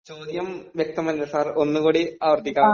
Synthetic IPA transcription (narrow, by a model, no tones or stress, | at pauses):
t͡ɕoːd̪jɐmʋjɐk̚t̪ɐmɐnndɐsaːro̞nːukuːɽiaːʋɐrt̪ikʲːaː